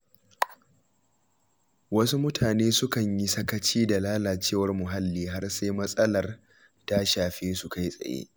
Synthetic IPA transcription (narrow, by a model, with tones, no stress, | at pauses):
wɐ˦su˦mʊ˦tʰaː˨neː˦sʊ˦kɐ˨ɲji˦sɐ˦kɐ˦t͡ʃiː˦da˨laː˦laː˨t͡ʃeː˦˨wɐ˦rmʊ˨ɦa˦lːiː˦ɦa˦rse˦jmɐ˦sʼɐ˦lɐ˨r | ta˦ʃaː˨ɸeː˦su˨ka˦jsʼɐ̰˨jḛ˦